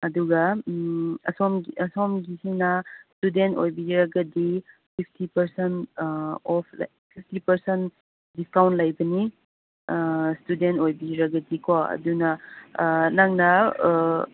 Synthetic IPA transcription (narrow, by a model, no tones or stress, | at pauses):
ɐduɡɐ | ɐ̰somɐsomɡisinɐstudentojbiɾaɡɐdi | pʰipʰtipɐɾsent | ɔpʰl̰ | pʰip̚ʰtipɐɾsen | diskawntlajbɐni | studentojbiɾɐɡɐdikʰoɐ̰dunɐ | naŋnɐ